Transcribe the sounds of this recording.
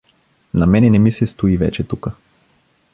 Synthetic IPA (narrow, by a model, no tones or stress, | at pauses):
namɛnɛnɛmisɛst̪oivɛ̰t͡ʃɛt̪ukə